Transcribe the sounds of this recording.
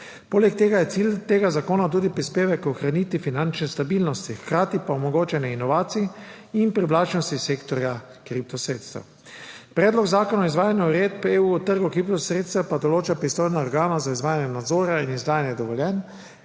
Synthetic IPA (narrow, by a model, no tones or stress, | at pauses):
poːlɛkt̪eːɡajɛt̪siːlt̪eːɡazakoːnat̪̬uːd̪ipɾispeːʋɛkɔxɾaniːt̪ʋifinant͡ʃnɛst̪abiːlnɔst̪ixkɾaːt̪ipaɔmɔɡoːt͡ʃɛnɛinɔʋaːt̪siɛː | npɾiʋlaːt͡ʃnɔst̪iseːkt̪ɔɾja | kɾip̚t̪ɔsɾeːt̪st̪ɛ̰w | pɾɛːd̪lɔɡzaːkɔnaizʋaːjanjauɾeːt̪peːuːɔt̪əɾɡukɾip̚t̪ɔsɾeːt̪st̪ɛpad̪ɔloːt͡ʃapɾist̪oːjnaɔɾɡaːnazaizʋaːjanjɛnad̪zoːɾjainizd̪aːjanjɛd̪ɔʋɔljɛn